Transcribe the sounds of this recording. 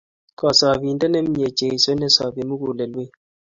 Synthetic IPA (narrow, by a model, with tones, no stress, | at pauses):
kɔ˨sɔ˨bi˨ndɛ˦nɛ˦m˦ɲe˨t͡ʃe˨i˨so˦nɛ˦sɔ˨bi˨mu˦ɡu˨lɛ˨lwe˦